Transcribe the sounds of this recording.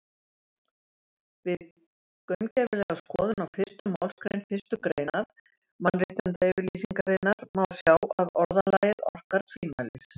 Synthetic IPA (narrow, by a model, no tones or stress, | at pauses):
vɪð | kœmcɛvɪlɛɣaskɔːðʏnawfɪ̥st̪ʏmawlskɾejnfɪ̥st̪ʏkɾeːjnaɾ | manːrɪht̪ɪnt̪aɪvɪɾlisiŋkaɾɪnːaɾmawsjaːwaðɔɾðalajɪɾɔ̰r̥kaɾ̥t̪ʰviːnmajlɪ̰s